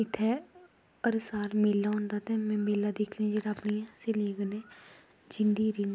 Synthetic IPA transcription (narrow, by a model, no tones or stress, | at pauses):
ɪt̪ʰːeː | əɾʊsaːɾmeːlːaɦʊ̃ːnd̪aːt̪emɛ̃ːmeːlːad̪eːkʰɾ̃d͡ʒeːɽaːpniseleːɡəneː | d͡ʒɪnd̪iːɾin